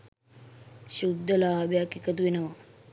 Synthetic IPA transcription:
ɕud̪ʱːəlaːbejakikət̪uʋenəʋa

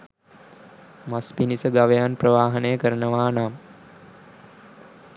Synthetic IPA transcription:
maspinisəɡaʋejanprəʋaːɦənəjəkəɾənəʋaːnaːm

